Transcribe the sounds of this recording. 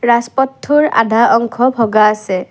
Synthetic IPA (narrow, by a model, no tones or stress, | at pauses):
ɹaspɔtʰːuɹa̰d̪ʱaʔɔŋkʰɔbʱɔɡaːsɛ